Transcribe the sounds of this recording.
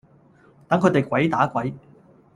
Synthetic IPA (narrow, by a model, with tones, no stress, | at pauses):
t̪ɐ˨˥ŋkʰɵ˨˧˥t̪e˨jkʷwɐ˨˥jt̪aː˨˥kwɐ˨˥j